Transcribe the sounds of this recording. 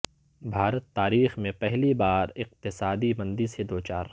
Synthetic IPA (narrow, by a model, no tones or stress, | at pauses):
bʱaːɾət̪ːaːɾiːxmẽpɛɦlibaːɾɪq̚t̪ɪsaːd̪imɐ̃nd̪ised̪oːt͡ʃaːɾ